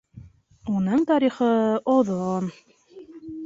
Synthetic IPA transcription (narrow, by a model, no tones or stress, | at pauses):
unɤɴt̪ɑɾiχɤoðon